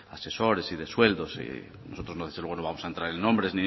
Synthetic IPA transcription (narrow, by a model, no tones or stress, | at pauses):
ase̞so̞ɾesiðe̞swe̞ld̪osḛ | no̞sot̪ɾo̞znoðezlweno̞βamosaent̪ɾaɾenːombɾezni